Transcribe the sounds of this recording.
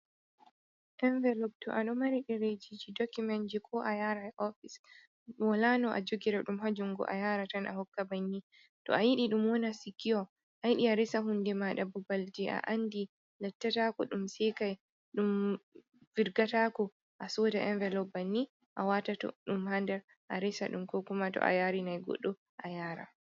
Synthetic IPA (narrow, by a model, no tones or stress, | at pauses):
ʔɛɱvɛlɔb̚tɔ̰ʔaɗɔmaɾiɗɛɾed͡ʒid͡ʒidɔkumɛnd͡ʒikʰɔʔajaɾajʔɔfis | walanɔʔa̰d͡ʒoɡiɾaɗumhad͡ʒuŋɡɔ̰ʔa̰jaɾatanʔa̰hɔkːabanːi | tɔ̰ajiɗiɗumwɔnasikʰːiɔ | ʔajiɗiaɾisaɦundɛmaɗabubald͡ʒɛʔa̰ʔandi | lɛtːatakɔɗumsɛkaj | ɗum | viɾɡatakɔ | ʔasɔdaʔɛnvɛlɔbanːi | ʔawatatɔ̰ɗumhandɛɾ | ʔaɾisaɗumkɔkumatɔ̰ʔa̰jaɾinajɡɔ̰ɗːɔ | ʔajaɾa̰